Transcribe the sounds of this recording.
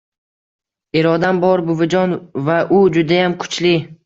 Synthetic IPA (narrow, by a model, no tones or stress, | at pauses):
eɾɒd̪ambɒɾbʊvɪd͡ʒɒnvaʔʊd͡ʒʊd̪ajamkʰʊ̥t͡ʃlɪ